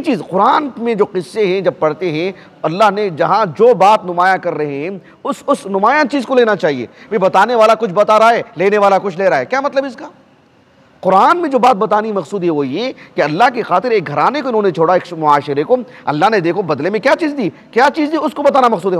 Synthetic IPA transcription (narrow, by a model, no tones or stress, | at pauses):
t͡ʃiːzqʊɾaːnmẽd͡ʒoːqɪsːeɦɛ̃d͡ʒɐb̚pɐɽt̪eɦɛ̃ | ɐlːaːɦned͡ʒɐɦãd͡ʒoːbaːt̪nʊmaːjãkɐɾːɐɦẽɦɛ̃ | ʊsʊsnʊmaːjãt͡ʃiːzkoleːnat͡ʃaːɦiḛːbebɐt̪aːneʋaːlakʊt͡ʃʰbɐt̪aɾaaeːleːneʋaːlakʊt͡ʃʰleːɾaːeːkjaːmɐt̪ləbɪskaː | qʊɾaːnmẽd͡ʒoːbaːt̪̚bɐt̪aːnimɐqsuːd̪ɦɛʋojekeɐlːaɦkexaːt̪ɪɾeːk̚ɡʱɐɾaːnekoɪnɦõːnet͡ʃʰoːɽaeːkmʊaːʃɪɾeko | ɐ̰lːaɦned̪eːkʰobɐd̪lemẽkjaːt͡ʃiːzd̪iː | kjaːt͡ʃiːzd̪iʊskobɐt̪aːnamɐksuːd̪ɦɛ